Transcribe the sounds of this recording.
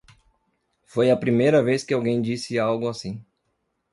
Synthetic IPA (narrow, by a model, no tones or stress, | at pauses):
fojɐpɾimejɾɐveskɪawɡẽj̃d͡ʒisɪawɡʊasĩ